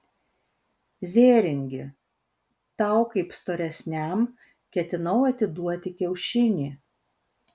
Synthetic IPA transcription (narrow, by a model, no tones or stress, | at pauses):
zʲeːɾʲɪŋʲɡʲɪ̰ | t̪ɑˑʊkɐɪpst̪oːɾʲɛsʲnʲæˑm | kʲɛt̪ʲɪnɐʊɐt̪ʲɪd̪uɔt̪ʲɪkʲɛʊʃʲɪnʲiː